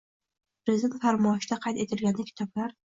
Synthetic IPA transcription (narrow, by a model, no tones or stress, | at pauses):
pɾɪzid̪e̞nt̪faɾmɒʃd̪aqʰɑjt̪e̞t̪ʰɪlɡʲand̪ɪkʲʰt̪ʰɒblaɾ